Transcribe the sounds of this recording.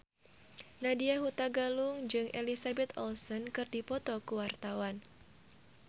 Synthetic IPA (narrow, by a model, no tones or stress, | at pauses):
nadiaɦut̪aɡalʊŋd͡ʒɨŋʔelisabɛt̪ɔlsɔnkɨrdipɔt̪ɔkuwart̪awan